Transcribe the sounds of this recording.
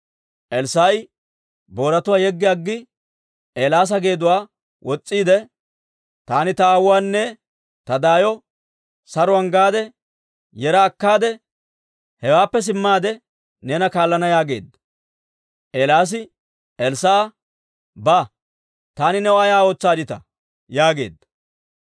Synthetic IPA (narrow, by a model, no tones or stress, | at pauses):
ʔɛlsaːjɪ | bo̞ːɾɐt̪ʊwaːjɛɡːɪɐɡːɪ | ʔeːlaːs̬ɐɡe̞ːd̪ʊwaː | wʔɔt͡sʼːiːd̪ɛ | t̪aːnɪt̪ɐawaːnːɛ | t̪ɐd̪aːjɔ | sɐɾʊɐŋɡaːd̪ɛ | jɛɾɐːkːaːd̪ɛ | hɛwaːpːɛs̬ɪmːaːd̪ɛ | neːnɐkaːlːɐnɐjaːɡe̞̰ːd̪ːɐ | ʔeːlaːs̬ɪ | ɛlsaː | ba | t̪aːnɪnɛwaːjaːo̞ːt͡sːaːd̪ɪt̪ɐ | jaːɡe̞̰ːd̪ːɐ